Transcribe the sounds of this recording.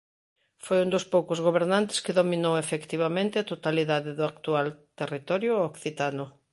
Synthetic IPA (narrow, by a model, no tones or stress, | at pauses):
fojund̪ʊspowkʊzɣoβ̞eɾnãnt̪ɪ̥skɪðomĩnowefekt̪iβamẽnt̪ɪat̪ot̪aliðaðɪðʊakt̪ualt̪erit̪ɔɾjʊokθit̪anʊ